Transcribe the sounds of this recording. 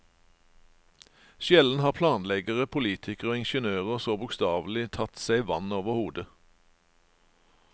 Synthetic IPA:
ʃjɛln̩hɑːʁpʰlɑːnlɛɡəʁəpʰʊliːt̪ʰɪkəʁoːɪnʃənøːʁəsoːbʊkst̪ɑːʋl̩ɪt̪ʰɑt̪sæɪʋɑnoːʋəʁhuːd̪ə

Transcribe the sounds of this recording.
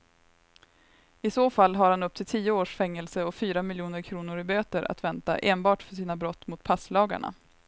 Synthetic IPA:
ɪsoːfalːɦaɾhanɵp̚t̪ʰɪlt̪ʰiːəoːʂfɛŋːɛlsəɔfyːɾamɪljuːnəɾkʰɾuːnʊɾɪbøːt̪əɾʔa̰t̪vɛnt̪a̰ʔeːnbɑːʈfœʂiːnabɾɔt̪ːmʊt̪̚pʰaslɑːɡa̰ɳa̰

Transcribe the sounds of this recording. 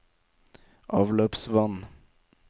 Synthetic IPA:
ʔɑːʋløːpsʋɑn

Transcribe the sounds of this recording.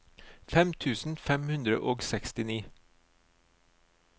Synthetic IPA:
fɛmt̪ʰʉːsn̩fɛmhʉnd̪ɾə̰ʔoːɡsɛkst̪ɪniː

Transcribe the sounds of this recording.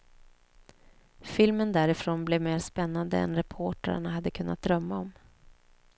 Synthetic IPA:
fɪlmənd̪æɾɪfɾoːnblɛvmeːɾspɛnːand̪ə̰ɛ̰nɾɛpʰoːʈa̰ɾ̰ɳaɦad̪ːəkʰɵnːat̪̚d̪ɾœmːaɔm

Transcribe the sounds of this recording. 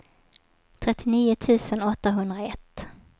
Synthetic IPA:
t̪ʰɾɛt̪ʰːɪniːʊt̪ʰʉ̟ːsənɔt̪ːaɦɵnd̪ɾaɛt̪ː

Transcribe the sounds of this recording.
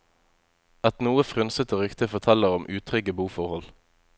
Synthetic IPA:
ɑt̪nuːəfʁʉnsət̪əʁʏkt̪ɪfɔt̪ʰɛləʁɔmʔʉːt̪ʰʁʏɡəbuːfɔʁhɔl

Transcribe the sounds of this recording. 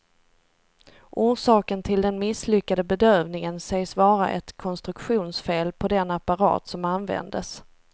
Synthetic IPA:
ʔuːʂɑːkənt̪ʰɪld̪ɛnmɪslʏkːad̪əbɛd̪øːvnɪŋənsɛjsvɑːɾa̰ʔɛt̪kʰɔnst̪ɾɵkɧuːnsfeːlpʰɔd̪ɛnapaɾɑ̰ːt̪sɔmanvɛ̰nd̪əs

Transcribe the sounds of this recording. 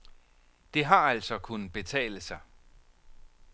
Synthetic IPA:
d̥e̝ɦɑ̈æl̰sɒ̽kʰunəb̥e̝t͡sʰɛ̰ːləsɑ̈ɪ

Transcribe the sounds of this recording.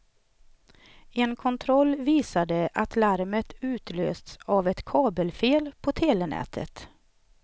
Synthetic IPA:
ɛnkʰɔnt̪ʰɾɔlːviːsad̪əʔat̪laɾmət̪ʉ̟ːt̪lø̰ːst̪savɛt̪kʰɑːbəlfeːlpʰɔt̪ʰeːlɛnɛ̰ːt̪ʰə̰t̪

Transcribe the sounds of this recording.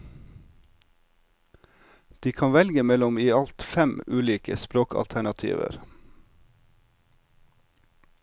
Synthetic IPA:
d̪̥iːkʰɑnʋɛlɡəmɛlɔmiːɑlt̪fɛmʉːliːkə̰spɾoːkɑ̰lt̪ʰæɳɑt̪ʰḭːʋə̰ɾ

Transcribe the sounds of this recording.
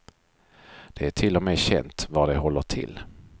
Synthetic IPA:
d̪̥ɛæʈʰɪlːɔmɛɕɛ̰nt̪vɑd̪ɛɦɔlːəʈʰɪ̰lː

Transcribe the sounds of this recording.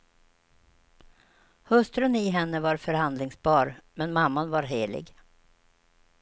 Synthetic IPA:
hɵst̪ɾənɪɦɛnːəvaɾfœɾhand̪lɪŋsbɑːɾmɛnmamːanvaɾɦeːlɪ̰ɡ

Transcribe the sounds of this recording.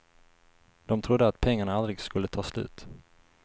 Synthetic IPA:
d̪̥ɔmt̪ʰɾʊd̪ːəat̪pʰɛŋːaɳaald̪ɾɪɡskɵlːət̪ʰɑːslʉ̟̰ːt̪

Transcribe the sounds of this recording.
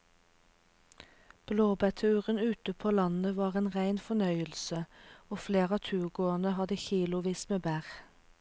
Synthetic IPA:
b̥loːbæt̪ʰʉːʁənʉːt̪əpʰoːlɑnəʋɑːʁeːnʁæɪnfɔnœʏəlsəoːfleːʁɑːt̪ʰʉːʁɡoːənəhɑd̪əçiːlʊʋiːsmeːbæːʁ

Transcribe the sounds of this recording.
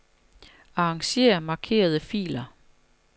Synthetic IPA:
ɑ̈ɑŋɕe̝̰ːɐmɑ̈kʰe̝̰ːɐð̞ˠəfḭːlɐ

